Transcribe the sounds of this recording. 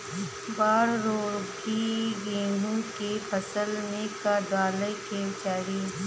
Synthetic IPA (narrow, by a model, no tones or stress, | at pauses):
baːɾɾoːɾkiɡeːɳũkepʰəsəlmẽkaɖaːləjkeːt͡ʃaːɽi